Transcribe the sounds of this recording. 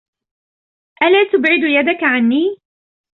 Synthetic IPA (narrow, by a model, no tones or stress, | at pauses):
ʔalaːt̪ʊbʕɪd̪jad̪akaʕanːiː